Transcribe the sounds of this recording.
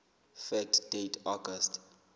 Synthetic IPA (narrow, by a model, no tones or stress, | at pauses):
fɛk̚td̥etʰɔɡɔst